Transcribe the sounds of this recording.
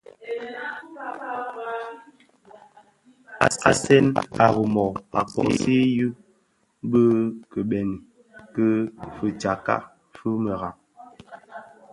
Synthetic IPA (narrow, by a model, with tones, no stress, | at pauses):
a̰˨a̰˨sɛ˦na˨ɣə˨mɔ˨pa˨kɔ̰˦ḭ˨˦se˦jʉ˦ | bə˦kə˨ɓɛ˨ni˨ | kə˦fə˨t͡ʃa˨ka̰˦ | fə˦mə˨ɣa˨ŋ